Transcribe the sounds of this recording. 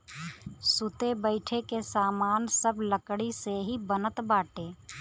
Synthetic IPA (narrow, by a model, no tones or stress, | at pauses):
sʊt̪ebəɪʈʰekesaːmaːnsəbləkɽiseɦibənət̪baːʈeː